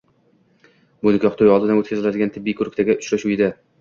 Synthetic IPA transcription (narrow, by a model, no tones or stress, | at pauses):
bʊnɪkʰʲɒχt̪ʰojɒlˠd̪ɪd̪anot̪̚kʰʲazɪlad̪ɪɡʲant̪ʰɪbːijkʰʊɾk̚ʲt̪ʰaɡʲaʔʊt͡ʃɾaʃujɪd̪a